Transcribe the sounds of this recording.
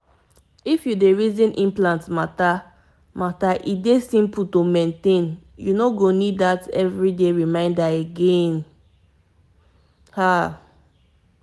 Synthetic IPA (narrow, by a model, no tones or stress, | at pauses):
ifjudeɹizĩnʔĩmplãntmata | mataʔidesĩmputomẽntẽn | junoɡonidatɛvɹideɹimãɪ̃ndaeɡɛ̃n | ha